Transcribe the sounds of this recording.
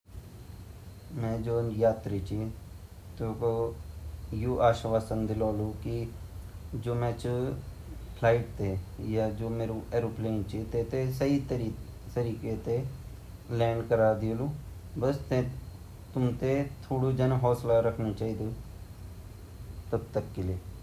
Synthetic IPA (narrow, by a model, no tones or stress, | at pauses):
mɛ̃ːd͡ʒoːnjaːt̪ɾit͡ʃi | t̪oːko | juːʔaːʃʋaːsənd̪ɪloːloːki | d͡ʒoːmɛ̃ːt͡ʃ | pʰlaːɪʈ̚t̪eːjaːd͡ʒoːmeːɾuʔeːɾoːpleːnt͡ʃit̪eːt̪esəit̪ɾi | t̪əɾiːket̪e | lɛ̃ːɳɖkəɾaːd̪ɪluː | bəst̪ẽ | t̪ʊmt̪et̪ʰoːɽud͡ʒənɦɔːslaɾəkʰnũt͡ʃaːiːd̪uː | t̪əb̚t̪əkːɪleː